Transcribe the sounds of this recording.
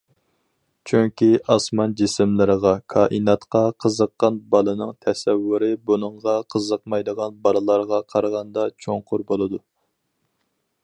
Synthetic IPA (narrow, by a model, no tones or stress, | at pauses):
t͡ʃʰyŋkʲiʔɑsmɑnd͡ʒɪsɪmlɪɾəʁɑkʰɑːʔinɑt̪qɑqʰəzəqːɑnbɑlˠɨnɨŋt̪ʰɛsɛwːuɾɪbunɨɴʁɑqʰəzəq̚mɑjd̪əʁɑnbɑlˠɨlˠɑɾʁɑqʰɑɾʁɑnd̪ɑt͡ʃʰoŋqʰʊɾbolˠɨd̪u